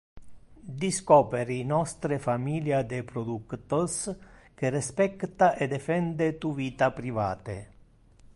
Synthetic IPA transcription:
d̪iskɔːpeɾinɔst̪ɾefamiːljad̪epɾod̪ukt̪osk̟erespɛkt̪aʔed̪efɛnd̪et̪uviːt̪apɾiva̰ːt̪ḛ

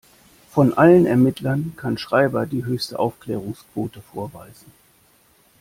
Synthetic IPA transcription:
fɔnʔalənɛɐmɪtlɐnkʰanʃʁ̥aɪbɐdiːɦøːçstəʔaʊfklɛːʁ̞ʊŋskv̥oːtəfoːɐvaɪzn̩

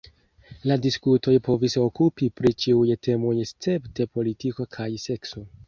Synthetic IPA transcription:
ladiskuto̞jpo̞viso̞kupipɾit͡ʃiujtʰe̞mo̞jst͡se̞pte̞po̞litiko̞kʰajse̞kso̞

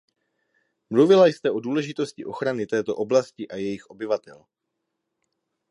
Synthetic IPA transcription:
mluvɪlajst̪ɛʔo̞duːlɛʒɪt̪o̞scɪʔo̞xɾanɪt̪ɛːt̪o̞ʔo̞blascɪʔajɛjɪxʔo̞bɪvat̪ɛl

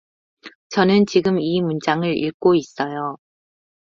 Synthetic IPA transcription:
t͡ɕʌnɯnt͡ɕiɡɯmimund͡ʑaŋɯɾḭɭk͈ois͈ʌjo

